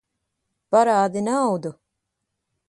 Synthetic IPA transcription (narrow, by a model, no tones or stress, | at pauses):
paɾaːd̪inawd̪u